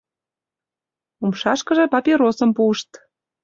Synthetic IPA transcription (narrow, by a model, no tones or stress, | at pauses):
umʃɑʃkə̆ʒĕpɑpʲeɾosəmpuəʃt̪